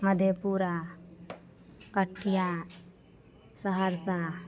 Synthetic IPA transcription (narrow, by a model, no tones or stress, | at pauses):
məd̪ʱjepuɾa | kəʈʰija | səɦəɾsa